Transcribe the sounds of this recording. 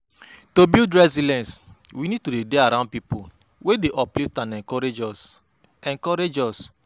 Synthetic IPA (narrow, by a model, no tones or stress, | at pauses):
tobildɹɛzilɛ̃ns | winid̚todedeaɾãʊ̃n̚pipu | wedeʔɔpliftãnɛ̃kɔɾe | ɛ̃ŋkɔɾed͡ʒɔs